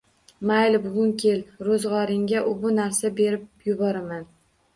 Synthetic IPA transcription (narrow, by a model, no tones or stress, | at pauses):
majlbʊɡʊŋkʲʰe̞lɾozʁɒɾɪŋɡʲaʔʊbʊnaɾsabe̞ɾɪp̚jʊbɒɾaman